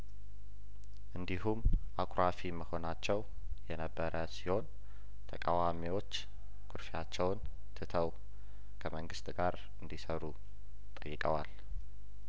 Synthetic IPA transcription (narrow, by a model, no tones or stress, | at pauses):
ʔɨnd̪iɦumʔakʼɾʔafiməho̞nat͡ʃːɛw | jɛnəbːəɾʔəsiho̞n | t̪ʰəkʼawamiwo̞t͡ʃː | kʰʊɾfjat͡ʃːɛwn | t̪ʰɨt̪ʰəw | kʰəməŋɡɨst̪ʼɡaɾ | ɨnd̪isəɾu | t̪ʼəjːɪkʼəwal